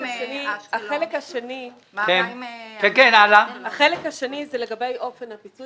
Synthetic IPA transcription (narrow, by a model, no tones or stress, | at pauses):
aʃeniaχelekhaʃeni | kenkenkenalahaχe̞lekhaʃenizeleɡabe̞jʔo̞fe̞nhapit͡su